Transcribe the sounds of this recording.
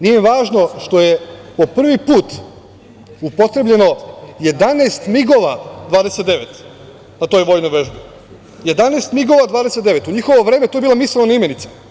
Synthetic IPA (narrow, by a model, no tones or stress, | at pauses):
nijemiʋaːʒno̞ʃt̪o̞jepo̞pr̩ʋipuːt̪ | upo̞t̪ɾeblʎe̞no̞je̞d̪aneːst̪miɡo̞ʋad̪ʋaːd̪eset̪d̪e̞ʋet̪ | nat̪o̞ːjʋo̞jnojʋe̞ʒbi | je̞d̪aneːst̪miɡo̞ʋaːd̪ʋaːd̪e̞set̪d̪e̞ʋe̞t̪uɲixoʋoʋɾeːmet̪oebilomislenonaimenit̪si̥